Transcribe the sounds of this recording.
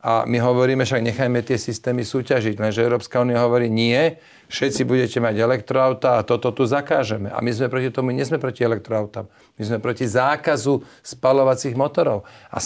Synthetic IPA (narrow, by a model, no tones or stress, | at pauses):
a̰miɦɔʋɔɾiːmɛfʃaɡɲɛxajmɛt̪ɪɛsist̪ɛːmisuːcaʒiɟlɛnʒɛɛʊɾɔːpskauːnijaɦɔʋɔɾiːɲɪɛ | fʃɛt͡sibuɟɛcɛmaɟɛlɛkt̪ɾɔaʊt̪aːat̪ɔt̪ɔt̪uzakaːʒɛmɛʔa̰mizmɛpɾɔcit̪ɔmuɲɛzmɛpɾɔciɛlɛk̚t̪ɾɔaʊt̪am | mizmɛpɾɔcizaːkazu | spalɔʋat͡siɣmɔt̪ɔɾɔʊa̰